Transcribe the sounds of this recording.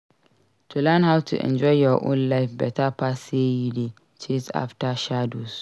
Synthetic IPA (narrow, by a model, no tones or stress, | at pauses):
tʰulãnhawtʰṵʔɛ̰̃nd͡ʒɔɪjɔʔõ̰nlaɪfbɛtʰapʰasejide | t͡ʃʰesa̰ftaʃados